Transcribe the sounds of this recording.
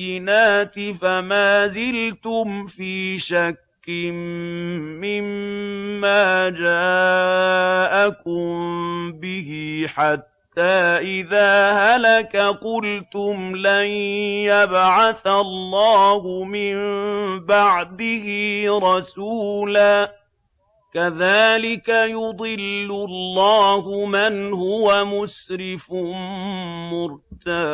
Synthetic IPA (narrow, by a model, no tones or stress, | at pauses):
ɪnaːt̪ɪfamaːzɪlt̪ʊmfiːʃakːɪmː | ɪmː | aːd͡ʒaː | ʔakʊmbɪhɪħat̪ːaːʔɪðaːhalakaqʊlt̪ʊmlanjabʕaθalːɑːhʊmɪmbaʕd̪ɪhɪɾˤɑsuːlaː | kaðaːlɪkajʊd̪ˤɨlːʊlːɑːhʊmanhʊwamʊsɾɪf | mʊɾt̪ad